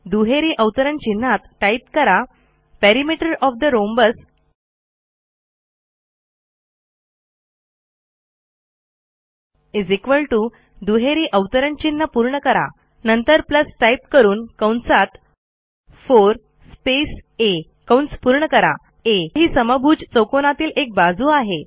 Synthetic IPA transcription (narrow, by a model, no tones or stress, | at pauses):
d̪uɦeɾiːʔəwt̪əɾəɳt͡ɕin̤ːat̪ʈajp̚kəɾa | pæɾimiʈəɾɔfd̪əɾombəs | izekʋəlʈu | d̪uɦeɾiːʔəʋt̪əɾənt͡ɕinːəpuɾɳəkəɾa̰ | nənt̪əɾpləsʈaip̚kəɾuːnkəwɳsat̪ | foɾ | spese | kə̃wɳspuɾɳəkəɾa̰ | eɦiːsəməbʱuːd͡ʑt͡səwkonat̪iːlek̚bad͡zuːaɦe